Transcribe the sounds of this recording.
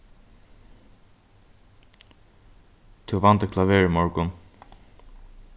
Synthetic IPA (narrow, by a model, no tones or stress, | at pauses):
t̪ʰuvant̪əkʰlaʋeːɹmɔɹkʊn